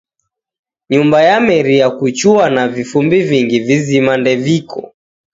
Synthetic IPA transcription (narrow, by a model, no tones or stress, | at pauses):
ɲumbajamɛɾiakut͡ʃuanavifumbiviŋɡivizimandɛvikʰɔ̰